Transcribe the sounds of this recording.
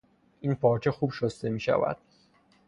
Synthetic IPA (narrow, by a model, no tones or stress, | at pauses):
ʔinpʰɒːɾt͡ʃʰexubʃost̪e̞miːʃæ̰væ̰d̪̥̚